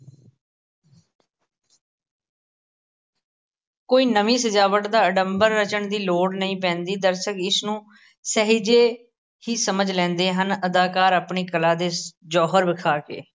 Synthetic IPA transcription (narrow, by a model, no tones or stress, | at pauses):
koːiːnəʋĩːsəd͡ʒaːʋəʈd̪aːəɖəmbəɾːət͡ʃəɳd̪iːloːɽnəĩːpɛ̃ːnd̪iːd̪əɾsəkɪsnũː | səɦiːd͡ʒeː | hiːsəməd͡ʒlɛ̃ːnd̪eːɦənəd̪aːkaːɾəpɳiːkəlaːd̪eːd͡ʒɔːɦəɾʋɪkʰaːkḛː